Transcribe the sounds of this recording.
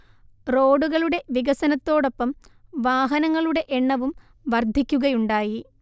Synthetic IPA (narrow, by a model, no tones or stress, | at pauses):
ro̞ːɽuɣɐɭuɽe̞ʋiɣɐsɐnɐt̪ːo̞ːɽo̞pːɐmʋaːɦɐnɐŋːɐɭuɽe̞ʔeɳːɐʋum | ʋɐrd̪ʱikʲːuɣɐjuɳɖaːji